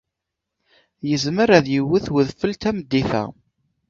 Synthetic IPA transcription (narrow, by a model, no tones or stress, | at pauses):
jəzməɾæðjəwːəθwəðfəlt̪æməd̪ːiθæ̰